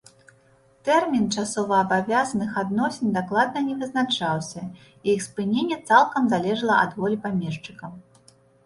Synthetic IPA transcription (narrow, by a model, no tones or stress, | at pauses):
t̪ɛrmʲint͡ʂasɔvɐːbavʲazɐnɨxad̪nɔsʲenʲd̪aklˠad̪̚nɐnʲɛvɨznat͡ʂawsʲɐ | ijixspɨnʲenʲːɛt̪salˠkɐmzalʲɛʐɐlˠɐʔɐ̰d̪vɔlʲipamʲɛʂt͡ʂɨkɐ